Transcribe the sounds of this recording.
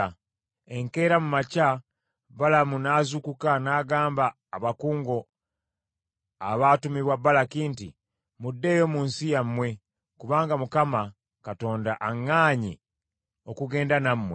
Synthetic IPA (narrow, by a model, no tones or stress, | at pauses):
e̞ŋke̞ːɾamumaca | βalamunazukukanaːɡaːmbaː | βakuːŋɡo̞ | a̰βaːtumiβwabːalakiːnti | mudːe̞ːjo̞ːmuːnsijamːwe̞ | kuβaːŋɡamukama | kato̞ːndaʔaŋːaːɲi | okuɡe̞ːndanamːwe